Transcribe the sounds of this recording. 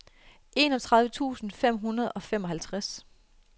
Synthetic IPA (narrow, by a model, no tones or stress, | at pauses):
ʔe̝nɒ̽t͡sʰʁɑð̞ˠʋət͡sʰṵːsn̩fem̰ɦunɐð̞ˠɒ̽fem̰ɒ̽ɦælt͡sʰʁas